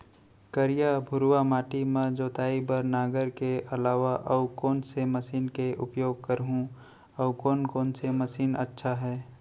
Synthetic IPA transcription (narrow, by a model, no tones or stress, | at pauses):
kəɾɪjabʱʊɾwamaːʈimɐ̃d͡ʒoːt̪aːibəɾnaːɡəɾkeʔɐlaːʋaʔɐʊkɔːnsemɐsiːnkeʔʊpjoːɡ̚kəɾɦũ | ɐʊkɔːnkɔːnsemɐsiːnɐ̰tːʃʰaɦɛː